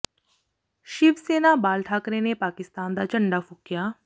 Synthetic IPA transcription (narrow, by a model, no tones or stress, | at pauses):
ʃɪbseːnaːbaːlʈʰaːkɾeːneːpaːkɪst̪aːnd̪aːt͡ʃəɳɖaːfʰʊkːɪjaː